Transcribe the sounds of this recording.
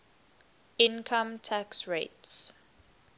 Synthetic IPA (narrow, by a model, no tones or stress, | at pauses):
ɪ̃nkʰə̃mtʰaksɹeɪts